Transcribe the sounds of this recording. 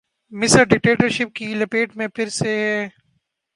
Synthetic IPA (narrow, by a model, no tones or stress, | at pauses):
mɪsəɾɖɪk̚ʈeːʈəɾʃɪp̚kilɐpeːʈmẽpʰɪɾseɦɛ